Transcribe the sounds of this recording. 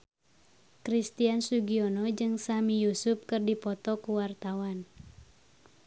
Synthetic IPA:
kɾist̪iansuɡiɔnɔd͡ʒɨŋsamijusup̚kɨrdipɔt̪ɔkuwart̪awan

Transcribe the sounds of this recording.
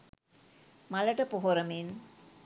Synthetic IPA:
maləʈəpoɦoɾəmin

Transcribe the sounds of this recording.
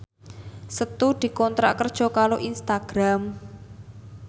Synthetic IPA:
sət̪ud̪̥i̤kɔnt̪ɾa̰ʔkərd̥ʒ̥ɔ̤kaɾoʔinst̪aɡ̥ɾam

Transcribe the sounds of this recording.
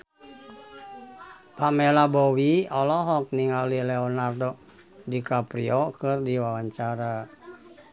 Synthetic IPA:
pamɛlabɔwiɔlɔɦɔk̚niŋalilɛɔnardɔ | dikapɾiɔkɨrdiwawaɲt͡ʃaɾa

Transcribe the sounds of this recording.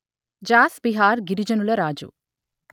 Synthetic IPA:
d͡ʒaːsbiɦaːɾɡiɾid͡ʒɐnulɐɾaːd͡ʒṵ

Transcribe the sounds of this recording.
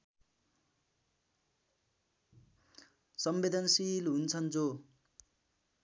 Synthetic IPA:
sʌmbed̪ʱʌnsilɦunt͡sʰʌnt͡so

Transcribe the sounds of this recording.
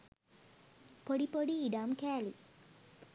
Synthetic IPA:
poɽipoɽiːɖaːmkæːli

